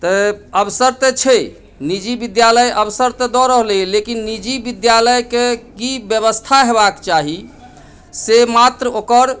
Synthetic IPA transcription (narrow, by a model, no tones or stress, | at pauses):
t̪əəbsəɾt̪et͡ʃʰe | nid͡ʒibid̪jaləjəbsəɾt̪ed̪ɔɾəɦlelekinːid͡ʒibid̪jaləjkekibjəβəst̪ʰaɦeβakt͡ʃaɦi | semat̪ɾəokəɾ